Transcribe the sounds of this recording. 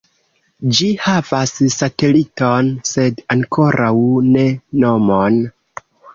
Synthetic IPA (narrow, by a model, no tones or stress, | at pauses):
d͡ʒihavassate̞lito̞nse̞daŋkʰo̞ɾʔawne̞no̞mon